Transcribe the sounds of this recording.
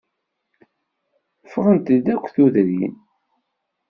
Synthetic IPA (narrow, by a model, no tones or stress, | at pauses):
fʁənt̪əd̪ækʷːθuðɾḭn